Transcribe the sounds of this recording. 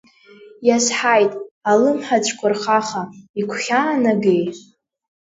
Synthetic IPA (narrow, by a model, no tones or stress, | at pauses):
jasħajtʼalɨmħat͡ʃʷʰʼkʷʰʊrχaχaikʷʰχʲaːnaɡej